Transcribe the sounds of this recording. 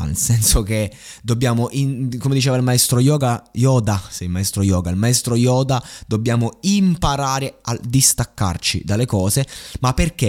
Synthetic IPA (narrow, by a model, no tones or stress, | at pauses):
a̰nḛlsɛnsok̟e | d̪objaːmoʔinkomed̪it͡ʃeːvailmaest̪ɾojɔːɡajɔːd̪asɛilmaest̪ɾojɔːɡailmaest̪ɾojɔːd̪ad̪obːjaːmoimpaɾaːɾead̪ːist̪akːa̰rt͡ʃḭd̪alːekɔːzemapːerk̟e